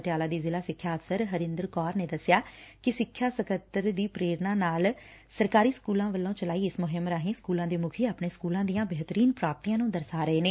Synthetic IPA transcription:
ʈjaːlaːd̪iːzɪlaːsɪkʰːjaːəfsəɾɦəɾɪnd̪əɾkɔːɾneːd̪əsːɪjaːkɪsɪkʰːjaːsəkət̪ːəɾd̪iːpɾeːɾnãːnaːl | səɾkaːɾiːskuːlãːʋəlːõːt͡ʃəlaːiːɪsmʊɦɪmɾaːɦẽːskuːlãːd̪eːmʊkʰiːaːpɳeːskuːlãːd̪ijãːbeːɦt̪əɾiːnpɾaːp̚t̪iːãːnũːd̪əɾsaːɾəɦeːneː

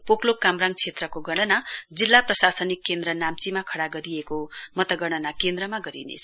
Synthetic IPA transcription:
poklokːamraŋɡ̚t͡sʰet̪rʌkoɡʌɽ̃ʌnad͡zilːaprʌsasʌnikːend̪rʌnamt͡simakʰʌɽaɡʌɾijekomʌt̪ʌɡʌɽ̃ʌnakend̪rʌmaɡʌɾḭnḛt͡sʰ

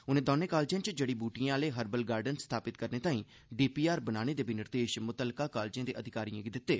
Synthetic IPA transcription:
ʊnẽːd̪oːnẽːkaːld͡ʒãːt͡ʃd͡ʒeːɽiːbuːʈijãːleːɦəɾbəlɡaːɾɖənst̪ʰaːpɪt̪kəɾneːt̪ãːĩː | ɖiːpiːaːɾbənaːñeːd̪eːbinɪɾd̪eːʃmʊt̪əlːkaːkaːld͡ʒãːd̪eːʔəd̪ʱɪkaːɾijãːɡid̪ɪt̪ːeː

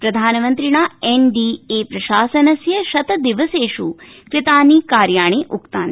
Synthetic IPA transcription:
pɾɐd̪ʱaːnɐmɐnt̪ɾiɳaːenɖiːeːpɾɐʃaːsɐnɐsjɐʃɐt̪ɐd̪iʋɐseːʃu | kɾɪt̪aːniːkaːɾjaːɳ̃eːʔukt̪aːn

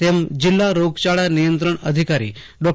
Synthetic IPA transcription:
emd͡ʑilːaɾoɡt͡ɕaɭjanijənt̪ɾəɳəd̪ʱikaɾḭ | ɖɔk

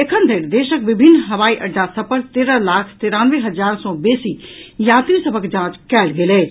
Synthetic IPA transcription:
ekʰənd̪ʱeɾd̪eːʃək̚bibʱinːɦəʋaiʔəɖːasəpəɾt̪eɾəlakʰt̪iɾanʋeɦəd͡ʒaɾsɔ̃besijat̪ɾisəbʱəkd͡ʒãt͡ʃkɛːlɡele

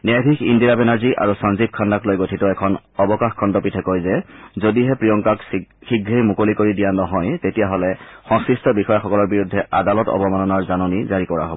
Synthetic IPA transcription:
nɛɡʱʰikindiabɛnaɹziʔa̰ɹusɔnzib̚kʰandaklojɡotʰitɔɛkʰɔnɔbɔkaxkʰɔndɔpitʰɛkojzɛzodiɦɛpɹijɔŋkakxiɡɹejmukolikoɹidijanɔɦɔjtetijaɦɔlɛxɔ̃ŋsɹistɔbixɔjaxɔkɔlɔɹbiɹudʱːɛʔadalɔtɔ̰bɔmanɔnaɹzanonizaɹikɔɹa̰ɦo̰bɔ

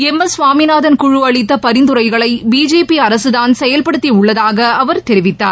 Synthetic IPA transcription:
ɛmːɐsʋaːminaːðɐnkʊɻʊɐɭɪt̪ːɐpɐɾɪnd̪ɯɾɐɪɣɐɭɐɪbiːd͡ʒeːpiɐɾɐsɯðaːnsɛjɐlpɐɽɯt̪ːiʊɭːɐðaːɣɐʔɐʋɐɾt̪ɛɾɪʋɪt̪ːaːɾ

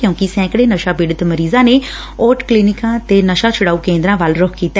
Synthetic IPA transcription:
kjõːkɪsɛ̃ːkɽeːnəʃaːbɪɖət̪məɾiːzãːneː | oːʈklinɪkãːt̪eːnəʃãːt͡ʃʰʊɽaːuːkẽːnd̪ɾãːʋaːlɾʊkʰkiːt̪a

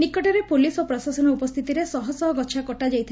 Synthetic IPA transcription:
nikɔʈɔɾepulisopɾɔsasɔnɔupɔst̪ʰit̪iɾesɔɦɔsɔɦɔɡɔtːʃʰakɔʈad͡ʒajt̪ʰ

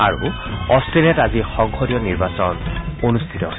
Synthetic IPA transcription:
a̰ɹṵ | ɔstelɛtazixɔŋxodijɔniɹbasɔnonustʰitɔɦos

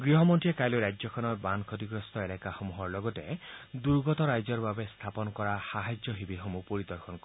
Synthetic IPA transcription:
ɡɾiɦɔmɔnʈiekajluɾajd͡ʒɔkʰɔnɔbankʰɔt̪iɡɾɔst̪ɔelakaxɔmuɦɔɾlɔɡɔted̪uɾɡɔt̪ɔɾajd͡ʒɔɾbabest̪ʰapɔnɔkɔɾahaɦad͡ʒjɔɦibiɦɔmupɔɾid̪ɔɾkʰɔnkɔ

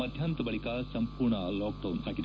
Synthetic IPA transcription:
ɐd̪ʱjɐnt̪ɐbɐɭikɐsɐmpuːɾɳɐloːk̚ɖɐwnɦaːɡid̪

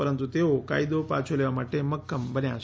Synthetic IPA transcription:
əɾənt̪ut̪eʋoka̰jid̪opat͡sʰoleʋamaʈːeməkːəmbənjas

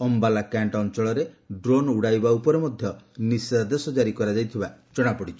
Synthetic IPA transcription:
ɔmbalakaɳʈɔnt͡ʃɔɭɔɾe | ɖɾonuɽajbaupɔɾemɔd̪ʱjɔnisad̪esɔd͡ʒaɾikɔɾad͡ʒajt̪ʰibad͡ʒɔɽ̃apɔɽit͡ʃʰɔ̥

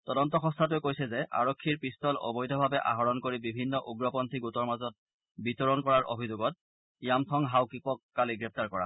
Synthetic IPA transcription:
tɔdɔntɔxɔ̃stʰatʊjkojsɛzɛʔa̰ɹɔkʰːiɹpɹistɔlɔ̰bɔjdʱɔbʱabɛʔa̰ɦɔɹɔnkoɹibibʱinːɔʔuɡɹɔpɔntʰiɡutɔɹmazɔt̚ | bitɔɹɔnkɔɹaɹʔo̰bʱizoɡɔt̚ | ijamtʰɔŋɦawkipɔkːaliɡɹɛp̚ʰtaɹkɔɹa̰

